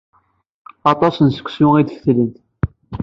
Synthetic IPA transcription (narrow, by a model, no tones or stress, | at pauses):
ɑt̪ˤɑsənsə̥kʷːsʊŋid̪fθlənt̪